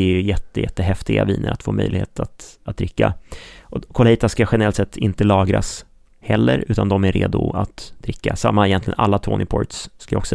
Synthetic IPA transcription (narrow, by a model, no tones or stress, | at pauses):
jjɛt̪ːəjɛt̪ːəɦɛft̪ɪɡa̰vḭːnə̰ɾat̪foːmœjlɪheːt̪ʰat̪at̪̚d̪ɾɪkːaʔɔkʰɔlhiːt̪askaɧɛnəɾɛlt̪sɛt̪ʰːɪnt̪əlɑːɡɾas | hɛlːəɾʉ̟ːt̪and̪ɔmæɾeːd̪ʊat̪d̪ɾɪkːasamːaɛjɛnt̪lɪɡə̰nalːat̪ʰoːnɪpʰɔ̰ɾt̪sskajaɔ̰ksɔ